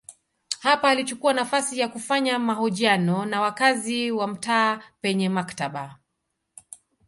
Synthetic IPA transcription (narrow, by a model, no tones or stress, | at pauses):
hapaːlit͡ʃukuanafasijakufaɲamahɔʄianɔnawakaziwam̩taːpɛɲɛmaktaɓa